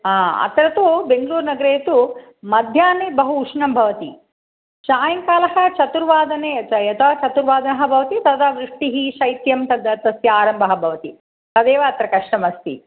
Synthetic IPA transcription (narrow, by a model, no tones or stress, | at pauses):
aːɐ̰t̪ɾɐt̪ubeŋɡɐluːɾnɐɡɐɾeːt̪u | mɐd̪ʱjaːnibɐɦuːʂɳɐmbʱɐʋɐt̪i | ʃaːjɐŋkaːlɐhɐt͡ʃɐt̪uɾʋaːd̪ɐneɐjɐt̪ɐt͡ʃɐt̪uɾʋaːd̪ɐnɐɦɐ̆bʱɐʋɐt̪it̪ɐd̪aʋɾiʂʈiɦiʃɐjt̪jɐmt̪ɐd̪ɐt̪ɐsjɐaːɾɐmbʱɐɦɐ̆bʱɐʋɐt̪i | t̪ɐd̪eːʋɐɐt̪ɾɐkɐʂʈɐmɐst̪ḭ